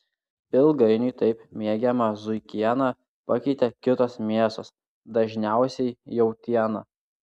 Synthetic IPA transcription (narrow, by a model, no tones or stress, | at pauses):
pʲɪlˠɡɐɪnʲʊɪt̪ɐɪpmʲiɛɡʲɛmɐzʊɪkʲiɛnɑ | pɐkʲɛɪt̪ʲɛkʲɪt̪osmʲiɛsoːs | d̪ɐʒʲnʲæˑʊsʲɛɪjɛʊt̪ʲiɛnɑ